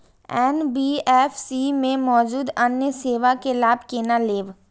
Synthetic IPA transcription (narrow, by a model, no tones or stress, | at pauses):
ɛːnbiːɛːfsimẽmɔːd͡ʒuːd̪ɐnjəseːʋakelaːbʱkeːnaleːʋ